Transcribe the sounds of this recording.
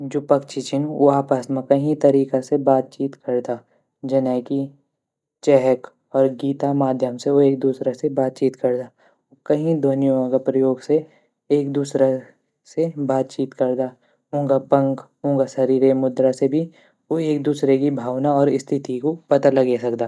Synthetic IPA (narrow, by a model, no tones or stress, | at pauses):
d͡ʒoːpɐkt͡ʃɪt͡ʃɪ̃ŋʋoaːpəsmẽkɐɦĩt̪ɐɾiːkasebaːt̪̚t͡ʃiːt̪kɐɾd̪a | d͡ʒɐnɛːki | t͡ʃɛɦək | ɔːɾɡiːt̪amaːd̪ʱjəmseoeːk̚d̪uːsɾasebaːt̪̚t͡ʃiːt̪kɐɾd̪aː | okɐɦĩd̪oːnijõõkapɾɐjoːɡse | eːk̚d̪uːsɾa | sebaːt̪̚t͡ʃiːt̪kɐɾd̪a | ʊ̃ːŋɡapɐ̃ŋkɦõːŋɡasɐɾiːɾemʊd̪ɾasebʱi | oeːk̚d̪uːsɾekibʱaːʋnaɔːɾɪst̪ʰɪt̪ikopɐt̪alɐɡesɐkd̪aː